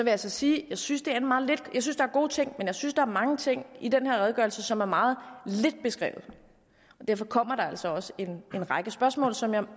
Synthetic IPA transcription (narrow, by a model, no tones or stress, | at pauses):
sɒʋe̝jaælsɒ̽siːjɑ̈ɪsynsd̥e̝æɐenmɑ̈ːð̩ˠle̝d̥jɑ̈ɪsynsd̥ɑ̈æɐɡ̥o̝ːt͡sʰe̝ŋ̰menjɑɪsynsd̥ɑæɐmɑ̈ŋət͡sʰe̝ŋ̰id̥enheɐʁɛð̞ˠɡ̥ɶɐlsəsɒ̽mæɐmɑ̈ːð̞̩ˠle̝d̥̚b̥e̝sɡ̥ʁɛ̰ːʊð̞̩ˠ | ɒ̽d̥eɐ̰fɒ̽kʰɒ̽m̰ɐɾ̥ɑ̈æl̰sɒ̽ɒ̽səe̝ne̝nʁɑ̈ɪɡ̥əsb̥ɶɐsmɔ̰ːlsɒ̽mjɑ̈ɪ